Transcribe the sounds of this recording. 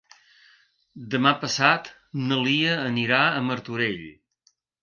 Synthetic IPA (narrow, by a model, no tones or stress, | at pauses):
d̪əmapəsat̪ | nəliəːniɾaəməɾt̪uɾeʎ